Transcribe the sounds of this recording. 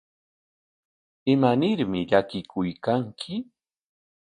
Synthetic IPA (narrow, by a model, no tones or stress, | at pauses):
ɪmanɪɾmɪʎakɪkʰʊjkaŋkʰɪ